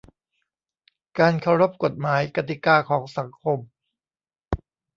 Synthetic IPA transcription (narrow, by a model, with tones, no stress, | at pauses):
kaː˧nkʰa˧˩wɾo˦˥p̚ko˨˩t̪̚maː˩˦jka˧t̪̬i˨˩kaː˧kʰɔː˩˦ŋsa˩˦ŋkʰo˧m